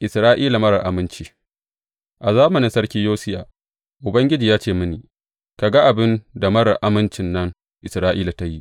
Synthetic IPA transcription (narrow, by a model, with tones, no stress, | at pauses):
ʔɪ˨sɾaː˦ʔiː˦la˨mɐ˦ɽɐ˨ʔa˨mɪ˦nt͡ʃiː˨ | ʔa˨zaː˦mʊ˨nɪ˨nsɐ˦rkʲiː˦joː˦sɪ˦ja̰ː˨ | ʔʊ˨bɐ˦ŋɡʲɪ˦d͡ʒiː˨jaː˦t͡ʃeː˦˨mʊ˦niː˨ | ka˨ɡa˦ʔa˨bɪ˦nda˨mɐ˦ɽɐ˨rʔa˦mɪ˦nt͡ʃɪ˨nːɐ˦ŋ | ʔɪ˨sɾaː˦ʔiː˦la˨ta˦ji˦ʔ